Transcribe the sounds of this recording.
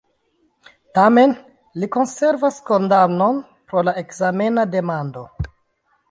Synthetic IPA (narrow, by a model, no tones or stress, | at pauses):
tame̞n | liko̞nse̞ɾvasko̞ndano̞n | pɾo̞lae̞kzame̞nade̞mando̞